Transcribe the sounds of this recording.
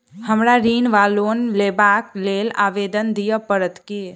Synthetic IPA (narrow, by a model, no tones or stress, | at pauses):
həmɾaɾinʋalonlebaklela̰ːʋed̪ənd̪ijəpəɾət̪ki